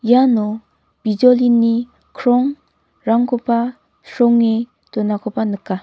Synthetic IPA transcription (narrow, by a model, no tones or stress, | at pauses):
janɔ | b̥id͡ʒɔlinːi | kʰɾɔŋ | ɾaŋkʰɔpa | sɔŋːi | tɔnakʰɔpanɯkːa